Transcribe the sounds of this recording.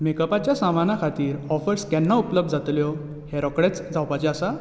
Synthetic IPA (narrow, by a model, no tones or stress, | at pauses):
mekəpat͡ɕjasamanakʰat̪iːɾɔfəɾskɛnːaupləb̚d̪ʱd͡zat̪ljɔ | heɾɔkɽet͡sd͡zawpat͡ɕɛasa